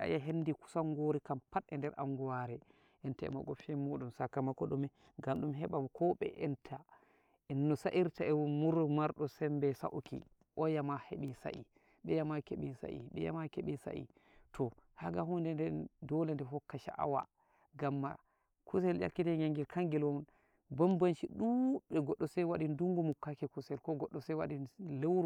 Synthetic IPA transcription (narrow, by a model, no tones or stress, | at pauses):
ʔa̰jaɦendiku̥saŋɡoɾikampaɗɛndɛɾʔa̰ŋɡuwaɾɛ | ʔɛntaɛ̰ma̰ɡɔfɛmoɗumsakamakːɔɗumɛ | ɡamɗumɦɛɓamkʰɔɓɛ̰ʔɛntʰa | ɛnːɔsaʔiɾtaɛmuɾmaɾɗɔsɛmbɛsa̰ʔukḭ | ʔɔjamaheɓisa̰ʔḭ | ɓɛjamakeɓisa̰ʔḭɓɛja̰makeɓisa̰ʔḭ | tʰɔhaɡahundɛndɛndɔlɛndɛɦɔkːaʃa̰ʔa̰wa̰ | ɡamːa̰ | kʰusɛlja̰lkːitɛɲaŋɡɛlkaŋɡilɔn | bambanʃiɗuɓɛɡɔɗːɔsɛwaɗinduŋɡumukːakɛkusɛlkɔɡɔɗːɔsɛwaɗinlewɾ